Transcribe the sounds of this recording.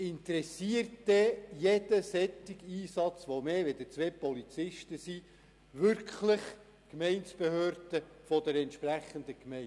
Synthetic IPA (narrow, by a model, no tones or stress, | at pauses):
ɪnt̪əɾɛsiəɾtdɛjɛd̥̪əsɛt̪ːiɡiːsɑt͡sʋomeːʋed̥̪ət͡sʋeːpɔlit͡sɪʃtəsi | ʋʏɾkχləχ | kmɛɪnsb̥ehøːɾd̪̥əfɔd̥əɾɛntʃpræχənd̪əkmɛɪ